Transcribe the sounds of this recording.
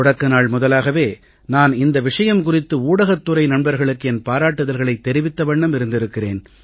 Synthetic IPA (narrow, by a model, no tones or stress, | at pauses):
ʊɽɐkːɐnaːɭmʊðɐlaːɣɐʋeː | naːnɪnd̪ɐʋɪʂɐjɐmkʊrɪt̪ːɯuːɽɐɣɐt̪ːɯrɐɪnɐɳbɐɾɣɐɭɯkːɯɛnpaːɾaːʈːɯðɐlɣɐɭɐɪt̪ːɛɾɪʋɪt̪ːɐʋɐɳːɐmɪɾɯnd̪ɪɾɯkːɪrḛːn